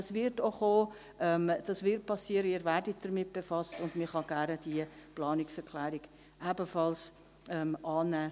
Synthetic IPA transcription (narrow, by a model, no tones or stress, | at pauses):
svɪɾtoχoː | ʔɛmd̥ɑsvɪɾt̚pʰɑsːiːəɾəiːɾvæɾdit̚d̥əɾmɪt̚b̥efɑstʊndmɪχɑɡ̥æɾnəd̥iəplɑːnɪksɛɾkʰlɛːɾiɡ | ʔæbəfɑls | ʔɛmʔɑːnæː